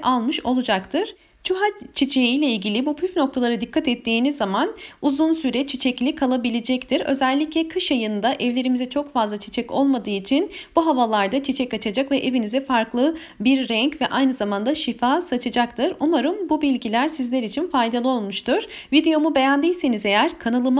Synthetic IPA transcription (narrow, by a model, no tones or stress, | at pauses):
alˠmɯʃo̞lˠud͡ʒakt̪ʰɯɾ̥ | t͡ʃʰuɦat͡ʃʰit͡ʃʰejijlʲɛilʲɟilʲibupʰyfno̞k̚t̪ʰalˠaɾɯd̪ikʰːat̪ɛt̪ʰːiːnizːamanuzunsyɾɛt͡ʃʰit͡ʃʰɛclʲikʰalˠabilʲed͡ʒɛct̪ʰiɾø̞̰zɛlʲːiclʲɛkʰɯʃjajɯnd̪aʔɛvlʲe̞ɾimizɛt͡ʃʰo̞kfazlˠat͡ʃʰi̥t͡ʃʰɛco̞lˠmad̪ɯːit͡ʃʰinb̥uɦavalˠaɾd̪at͡ʃʰit͡ʃʰɛcat͡ʃʰad͡ʒakvɛʔe̞vinizɛfaɾklˠɯ | biɾːɛɲcvɛʔajnɯzamand̪aʃifaːsat͡ʃʰad͡ʒakt̪ʰɯɾumaɾɯmbubilʲɟilʲæɾsizlʲɛɾit͡ʃʰinfajd̪alˠɯo̞lˠmuʃt̪ʰuɾ̥vid̪e̞jo̞mube̞jænd̪ejʲsenize̞jæɾkʰanɯlˠɯm